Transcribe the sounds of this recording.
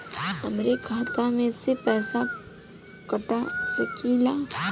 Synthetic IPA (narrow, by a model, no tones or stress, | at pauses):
ɐmɾekʰaːt̪amẽsepɛːsa | kəʈat͡ʃəkʰiːla